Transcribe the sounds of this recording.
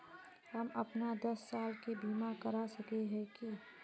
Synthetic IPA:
ɦɐmɐpnad̪ɐsːaːlkebiːmakɐɾasɐkeɦɛ̃ki

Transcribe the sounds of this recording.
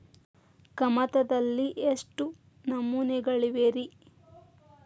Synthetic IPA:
kɐmɐt̪ɐd̪ɐlːiʔeʂʈu | nɐmːunɛɡɐɭiʋeɾi

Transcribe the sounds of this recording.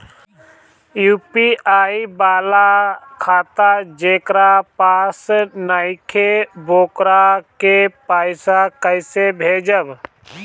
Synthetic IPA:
juːpiaːibaːlakʰaːt̪ad͡ʒeːkɾapaːsnaɪkʰeboːkɾakepaːɪsakəɪsebʱeːd͡ʒəb

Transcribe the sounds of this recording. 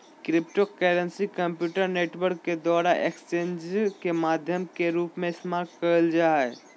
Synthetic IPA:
kɾipʈokɛɾənsikəmpjuʈəɾneʈwəɾkːed̪aɾaʔekst͡ʃend͡ʒkemad̪ʱjəmkeɾupmesmaːɾʈkəəld͡ʒaɛ

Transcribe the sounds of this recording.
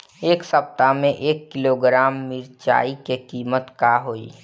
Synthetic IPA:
eːksəp̚t̪amẽʔeːkːɪloɡɾaːmːɪɾt͡ʃa̰ːikekiːmət̪kaɦoːḭː

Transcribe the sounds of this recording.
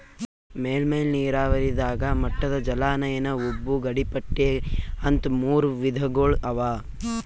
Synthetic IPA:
meːlmeːlniːɾaːʋɐɾid̪aːɡɐmɐʈːɐd̪ɐd͡ʒɐlaːnɐjɐnɐubːuɡɐɽipɐʈːeɐnt̪muːɾuʋid̪ʱɐɡoːɭɐʋaː

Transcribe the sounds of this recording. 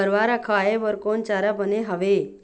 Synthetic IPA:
əɾʋaɾakʰajeʋəɾkont͡ʃaɾabəneɦaʋe

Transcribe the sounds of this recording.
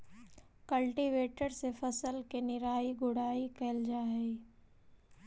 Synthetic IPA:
kəlʈiʋeːʈəɾsefɐsəlkenɪɾaːiɡʊɽaːikɐəld͡ʒaːɦe

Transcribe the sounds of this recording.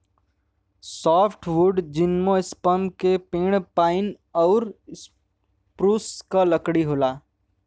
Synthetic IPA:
sɔːpʰʈwʊɖd͡ʒɪnmõɪspəmkepeːɽ̃paːɪn | ɔːɾs | pɾuːskaləkɽiɦoːlaː

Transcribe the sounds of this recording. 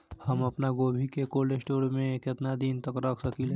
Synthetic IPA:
həmɐpnaɡoːbʱikekoːlesʈoːɾmẽkɪt̪nad̪int̪əkɾəkʰsɐkile

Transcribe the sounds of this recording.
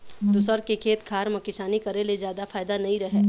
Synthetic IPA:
d̪ʊsəɾkekʰeːt̪kʰaːɾmɐkɪʃaːnikɐɾelezjaːd̪afʰaːjd̪anɐɦĩɾɐɦeː

